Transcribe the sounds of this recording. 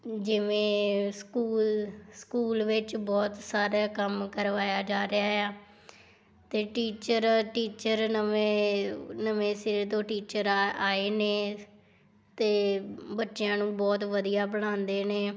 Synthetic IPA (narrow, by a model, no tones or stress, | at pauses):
d͡ʒɪʋẽːskuːlskuːlʋɪt͡ʃbɔːt̪saːɾaːkəmkəɾʋaːjaːd͡ʒaːɾɪaːɦaː | t̪eːʈiːt͡ʃəɾʈiːt͡ʃəɾnəeːnəʋẽːsɪɾt̪õːʈiːt͡ʃəɾaːeːneː | t̪eːbətːʃɪjãːnũːbɔːt̪ʋəd̪ijaːbəɽãːnd̪eːneː